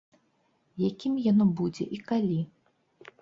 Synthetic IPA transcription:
jakʲimjanɔbud͡zʲɛ̰ʔikalʲi

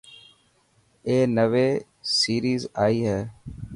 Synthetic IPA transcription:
eːnəʋeː | siːɾiːzaːiːɦɛː

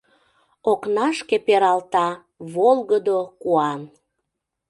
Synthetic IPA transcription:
oknɑʃkepeɾɑlt̪ɑ | βolɣəd̪okuɑn

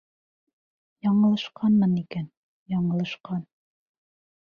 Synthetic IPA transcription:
jɒɴɤ̆lˠɤ̆ʃqɑnmɤnikæn | jɑɴɤ̆lˠɤ̆ʃqɑn

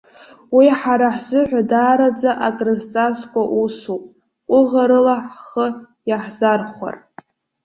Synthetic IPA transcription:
wiħaɾaħzɨħᶣʷadaːɾad͡zaʔakʼrɨzt͡sʼaskʷʼaʔusupʼʷ | ʊʁaɾɨlaħχə | jaħzarχʷa̰r

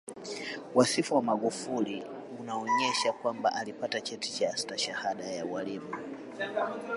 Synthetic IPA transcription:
wasifuwamaɡufuli | unaɔɲɛʃakwambaʔalipatat͡ʃɛti̥t͡ʃaastaʃahaɗajawalimu

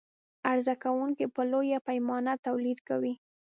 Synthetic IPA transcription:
aɾzakawuŋkepəlojapajmɑnat̪awlid̪kawi

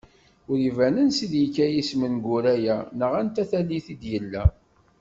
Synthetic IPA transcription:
ʊɾivænənsiðjikːæjismənɡʊɾæjænəʁænt̪æθælːiθid̪jəlːæ

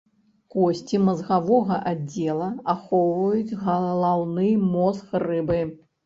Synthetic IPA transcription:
kɔsʲt͡sʲimɐzɣavɔɣɐʔad͡zʲɛlˠɐaxɔwvɐjut͡sʲɣɐlˠawnɨmɔsxrɨbɨ

